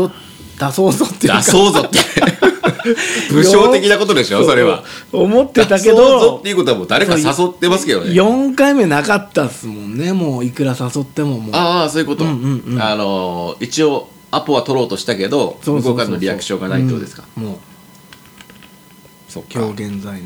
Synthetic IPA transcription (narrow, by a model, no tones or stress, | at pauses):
o | d̪̥asoːzot̪ːejd̪asoːzot̪ːe | bɯ̟ɕo̞ːe̞kʲinakot̪o̞d̪e̞ɕoso̞ɾe̞βa̰omo̞t̪ːe̞t̪ak̬e̞d̪ozot̪ːe̞iɯ̟kot̪oamoːd̪aɾe̞kasaso̞t̪ːe̞masɨ̥ke̞d̪oejõ̞ŋkaime̞nakat̪ːasɨmõ̞nːe̞mo̞ːikɯ̟ɾasaso̞t̪ːe̞mo̞moasoːjɯ̟kot̪õɯ̟̃ɴ̃anoit͡ɕio̞ | apːɯ̟βat̪o̞ɾo̞ːt̪o̞ɕi̥t̪ake̞d̪o̞soɡokaɾanoɾʲijakɯ̟̥ɕo̞ːɡana̰it̪ːo̰ːd̪e̞sɨ̥kḁmoː | so̰ːkʲʰoːɡẽ̞nd͡zain